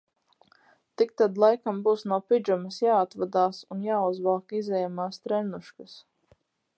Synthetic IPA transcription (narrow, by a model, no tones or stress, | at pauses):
t̪ik̚t̪ad̪lˠajkambuːsnuːpid͡ʒumɐsjaːat̪vad̪aːsunjaːuzvaːkizɛjamaːst̪ɾɛnuʃkas